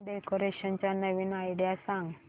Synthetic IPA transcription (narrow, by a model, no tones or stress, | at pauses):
ɖekoɾeɕənt͡ɕjanəʋiːnajɽijasãŋɡ